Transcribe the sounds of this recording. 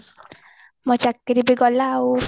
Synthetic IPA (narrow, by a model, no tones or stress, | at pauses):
mɔt͡ʃakːeɾibeɡɔla